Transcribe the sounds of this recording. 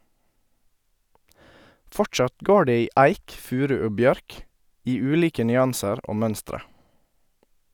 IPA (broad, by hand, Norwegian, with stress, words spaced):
ˈfɔʈʃɑt ˈɡoː ˈɖeː ˈiː ˈæɪk ˈfʉːɾʉ ˈoː ˈbjœɾk ˈiː ˈʉːliːkə nʏˈɑnsəɾ ˈoː ˈmœnstɾə